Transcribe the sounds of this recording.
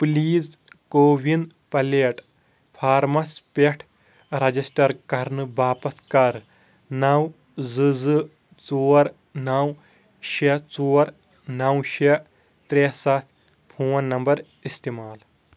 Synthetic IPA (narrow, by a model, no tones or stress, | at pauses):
pliːzkoːʋin | pɐleːʈ | pʰaːɾmɐspeʈʰ | ɾɐd͡ʒisʈɐɾkɐɾnɨbaːpɐt̪kɐɾ | nɐw | zɨzɨ | t͡soːɾ | nɐw | ʃɐt͡soːɾ | nɐwʃe | t̪ɾeːsat̪ʰ | pʰuːwɐnːɐmbɐɾ | ist̪imaːl